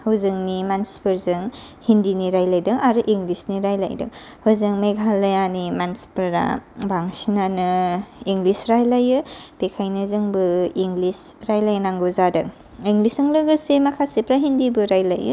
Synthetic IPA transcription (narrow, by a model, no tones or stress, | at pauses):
hɯwzɯŋnimansi̥pɯɾzɯŋ | hindiniɾajlajdɯŋaɾuʔiŋɡlisniɾajla̰jdɯ̰ŋ | hɯwzɯŋmeɡʱalajanimansi̥pɯɾa̰baŋsinanɯiŋɡlisɾajlajɯb̥ekʰajnɯzɯŋbɯiŋlisɾajlajnaŋɡuzadɯŋ | iŋlisɯŋlɯɡɯsemakʰasipɾaɦindibɯɾajlajṵ